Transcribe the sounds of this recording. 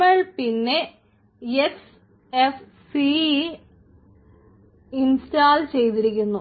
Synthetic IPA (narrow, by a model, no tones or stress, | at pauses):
ɐɭpinːe | es | ef | si | instaːlt͡ɕe̞jt̪̬iɾikʲːunːu